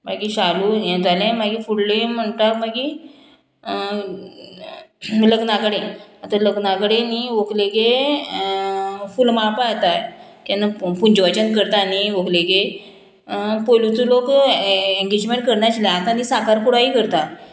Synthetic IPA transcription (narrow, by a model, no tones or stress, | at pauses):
maɡiɕalujet̪alẽmaɡifuɽlem̤əɳʈaɾmaɡiː | ləɡnakəɽẽat̪aləɡnakəɽeniʋokleɡe | fulmapat̪at̪anapuɲd͡ʑʋat͡ɕənkəɾt̪aniʋokleɡe | pojlut̪ulok | ẽŋɡed͡ʑmẽɳʈ̚kəɾɳjat͡ɕilaat̪ãniːsakaɾkuɽaɦiːkəɾt̪a